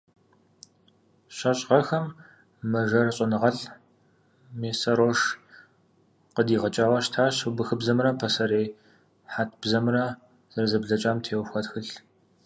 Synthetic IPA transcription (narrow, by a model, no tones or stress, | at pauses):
ɕɐɕʼʁɐxɐmː | ɐʒɐrɕʼɪnɨʁɐɬ | meːsɐɾoːʂ | qədiːʁɐt͡ʃʼaːwɐɕtʰaːɕʊbɨxɨbzɐmrɐmpʰɐsɐɾeː | ħaːtʰb̥zɐmrɐ | z̥ɐrzɨbɮɐt͡ʃʼaːmtʰeːwxʷɔtxɨɬ